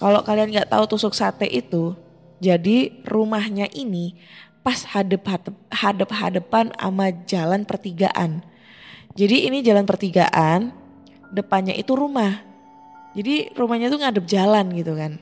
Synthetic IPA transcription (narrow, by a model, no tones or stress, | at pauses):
kalokalianŋɡaʔt̪a̰ut̪usʊksat̪ɛʔit̪u | d͡ʒadirumahɲaʔinipashadəp̚hadəp̚hadəp̚ɦa̰dəpana̰mad͡ʒalanpərt̪iɡa̰ʔa̰n | d͡ʒadiːnid͡ʒalanpərt̪iɡa̰ʔan | dəpanɲa̰ʔit̪uɾumah | d͡ʒadirumahɲat̪uŋadəp̚d͡ʒalanɡit̪ukan